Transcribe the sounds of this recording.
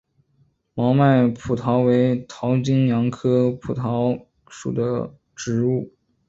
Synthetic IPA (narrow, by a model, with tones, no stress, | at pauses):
mɑ˧˥ʊma˥˩ɪpʰu˨˩t̪ʰɑ˧˥ʊwe˧˥ɪt̪ʰɑ˧˥ʊt͡ɕi˥ŋjɑ˧˥ŋkʰɤ˥pʰu˨˩t̪ʰɑ˧˥ʊ | ʂṵ˨˩d̪ə˦ | ʈ͡ʂɻ̩˧˥u˥˩